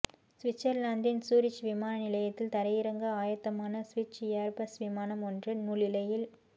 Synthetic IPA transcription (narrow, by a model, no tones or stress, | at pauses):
sʋɪt͡ʃːɐɾlaːnd̪ɪnsuːɾɪt͡ʃʋɪmaːnɐnɪlɐjɐt̪ːɪlt̪ɐɾɐjɪɾɐŋɡɐaːjɐt̪ːɐmaːnɐsʋɪt͡ʃːaːɾpɐsʋɪmaːnɐmɔndrɯnuːlɪlɐjɪl